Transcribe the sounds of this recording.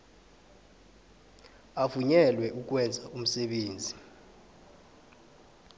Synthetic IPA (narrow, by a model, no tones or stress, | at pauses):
afuɲɛlwɛʔuk̬ʼwɛnd͡zʱaʔum̩sɛɓeːnd͡zʱi